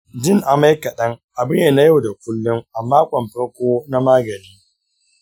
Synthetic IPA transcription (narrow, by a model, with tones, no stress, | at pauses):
d͡ʒɪ˦ŋʔa˨ma˦jkɐ˨ɗɐ˦ŋʔa˨bɪ˦ɲje˨na˦ja˦wda˨kʷʊ˦lːʊ˦ŋʔa˨mːaː˦kʷʼɔ˨mɸɐ˦ɽkʷoː˦na˦maː˦ɡɐ˨niː˦